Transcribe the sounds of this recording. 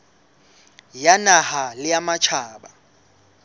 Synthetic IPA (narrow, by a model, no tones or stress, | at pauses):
janahalɪjamat͡ʃʰaːɓa